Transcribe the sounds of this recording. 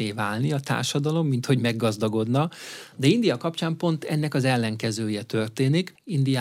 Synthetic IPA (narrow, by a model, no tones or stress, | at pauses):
eːvaːlniɒt̪a̰ːrʃɒd̪ɒlo̞mːint̪ho̞ɟmɛɡːɒzd̪ɒɡo̞d̪nɒd̪ɛind̪ijɒkɒpt͡ʃaːmpo̞nt̪ɛnːɛkɒzɛlːɛŋkɛzøːjɛt̪ø̞rt̪eːnikind̪ija